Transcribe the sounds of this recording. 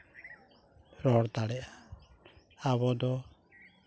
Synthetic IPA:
ɾɔɽt̪aɽɛa | aβɔd̪ɔ

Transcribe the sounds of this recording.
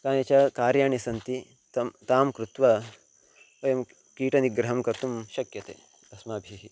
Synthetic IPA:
kaːnɐt͡ʃɐkaːɾjaːɳisɐnt̪i | t̪ɐmt̪aːmkɾut̪ʋɐ | ʋɐjɐm | kiːʈɐniɡɾɐɦɐmkɐɾt̪umʃɐkjɐt̪ḛː | ɐsmaːbʱiɦi

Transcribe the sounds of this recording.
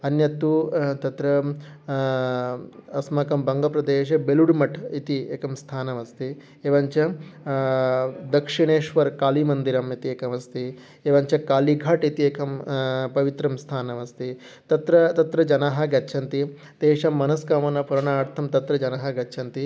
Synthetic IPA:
ɐnjɐt̪ːut̪ɐt̪ɾɐ | ɐsmɐkɐmbɐŋɡɐpɾɐd̪eːʃ̬ɐbeluɽmɐʈʰit̪ieːkɐmst̪ʰaːnɐmɐst̪i | eːʋɐɲt͡ʃɐ | d̪ɐkʂiɽeːʃʋɐɾkaːlimɐnd̪iɾɐmit̪ieːkɐmɐst̪i | eːʋɐɲt͡ʃɐkaːliɡʱɐʈit̪ieːkʰɐmpɐʋit̪ɾɐmst̪ʰaːnɐmɐst̪i | t̪ɐt̪ɾɐt̪ɐt̪ɾɐd͡ʒɐnaːɦɐ̆ɡɐtːt͡ʃʰɐnt̪i | t̪eːʃɐmːɐnɐskaːmɐnɐpuɾɐɳaːɾt̪ʰɐmt̪ɐt̪ɾɐd͡ʒɐnɐɦɐɡɐtːt͡ʃʰɐnt̪i

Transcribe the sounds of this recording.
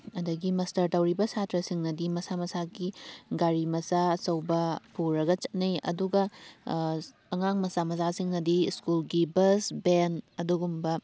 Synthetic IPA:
ɐdɐɡimɐstɐɾtɐwɾibɐsatɾɐsiŋnɐdimɐsamɐsaɡiɡaɾimɐsaɐsɐwbɐpʰuɾɐɡɐt͡ʃɐt̚nɐjɐ̰duɡɐ | ɐŋaŋmɐsamɐsasiŋnɐdiskulɡibɐsbenɐduɡumbɐ

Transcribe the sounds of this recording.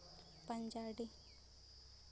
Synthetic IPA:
pɐɲd͡ʒaːɖi

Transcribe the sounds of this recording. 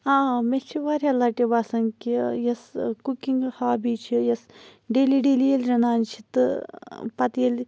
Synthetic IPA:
ãːmet͡ʃʰiʋaːɾʲɐlaːʈibaːsɐŋkijɐskukiŋɡhaːbiːt͡ʃʰijɐsɖeːliːɖeːlijelʲɾʲɐnaːnt͡ʃʰi̥t̪ɨpɐt̪jelʲ

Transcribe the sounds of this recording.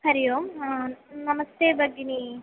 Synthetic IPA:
hɐɾijoːm | nɐmɐst̪eːbɐɡːiniː

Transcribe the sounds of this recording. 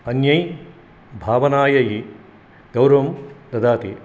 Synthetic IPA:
ɐnjɐj | bʱaːʋɐnaːjɐji | ɡɐwɾɐʋmd̪ɐd̪aːt̪i

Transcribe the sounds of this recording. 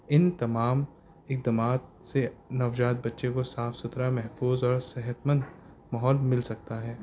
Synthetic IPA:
ɪnt̪ɐmaːm | ɪk̚d̪ɐmaːt̪̚senɐwd͡ʒaːt̪̚bɐtːʃekosaːfsʊt̪ɾamɛɦfuːzɔːɾsɛɦət̪mə̃nd̪ | mɐɦɔːlmɪlsɐk̚t̪aɦɛː

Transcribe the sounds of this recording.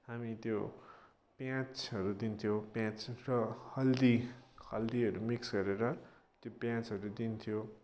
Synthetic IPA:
hamit̪jo | pjãt͡sɦʌɾud̪int̪ʰijopjãt͡srʌhʌld̪ihʌld̪iʌɾumiksɡʌɾeɾʌt̪jopjãt͡sʌɾud̪int̪ʰijo

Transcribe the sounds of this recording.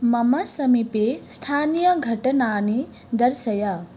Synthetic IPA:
mɐmɐsɐmipest̪ʰaːnijɐɡʱɐʈɐnaːni | d̪ɐɾsɐja

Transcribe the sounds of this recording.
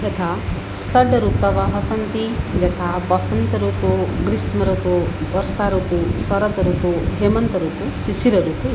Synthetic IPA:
et̪ʰa | sɐɖɐɾut̪ɐʋɐɦɐsɐnt̪id͡ʒɛt̪ʰabɐsɐnt̪ɐɾut̪uɡɾismɐɾut̪ubɐɾsaɾut̪usɐɾɐt̪ɐɾut̪uɦemɐnt̪ɐɾut̪usisiɾɐɾut̪u

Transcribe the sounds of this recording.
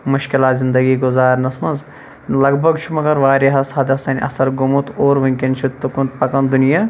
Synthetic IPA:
mʊʃkɪlaːt̪zɪnd̪ɐɡiːɡʊzaːɾnɐsmɐnz | lɐɡbʱɐɡt͡ʃʰumɐkɐɾʋaːɾiɦɐsɐd̪ɐsɐːnʲʔɐ̰sɐɾɡumut̪oːɾʋɐŋkent͡ʃʰut̪ːukunt̪̚pɐkɐnd̪unijaː

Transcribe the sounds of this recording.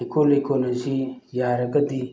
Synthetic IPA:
ikolekonɐzijaːɾɐɡɐd̪i

